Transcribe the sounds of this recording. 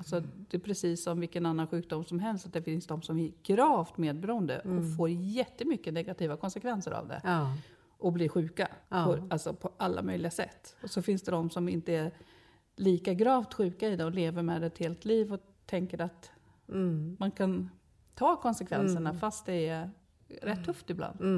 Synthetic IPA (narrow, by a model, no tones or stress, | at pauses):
alsɔd̪ɛpʰɾɛsiːsːɔmvɪlkənanːanɧʉ̟ːk̚d̪ʊmːsɔmɦɛlst̪at̪̚d̪ɛfɪnsd̪ɔmsɔmɛɡ̥ɾɑːvt̪meːd̪̚bɛɾuːənd̪ə̰ɔfoːɾjɛt̪ːəmʏkːənɛɡat̪ʰiːvakʰɔnsɛkvɛnsəɾa̰vd̪ɛ̰ | ʔɔbliːɾɧʉ̟ːka̰pʰɔalsɔpʰɔʔalːa̰mœjlɪɡasɛ̰t̪ːɔsɔfɪnsd̪ɛd̪ɔmsɔmɪnt̪əæɾ | liːkaɡɾɑːvt̪ɧʉ̟ːkaɪd̪ɛɔleːvəɾmɛd̪ɛt̪heːlt̪ʰliːvɔ | t̪ʰɛŋkəɾat̪ | mankʰan | t̪ʰɑːkʰɔnsɛkʰvɛnsəɳafast̪̚d̪ɛæ | ɾɛt̪ʰːɵft̪ɪbla̰nd̪̥